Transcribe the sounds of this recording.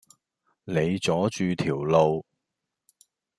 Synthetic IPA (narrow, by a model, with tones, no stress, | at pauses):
ne˨˧jt͡sɔː˨˥t͡ʃyː˨˧t̪ʰiː˨˩wlo˨˧w